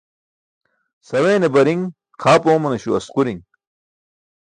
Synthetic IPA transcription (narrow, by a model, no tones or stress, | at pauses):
sɐweːnebɐɾiŋ | qʰaːpoːmɐnɐɕuɐsquɾiŋ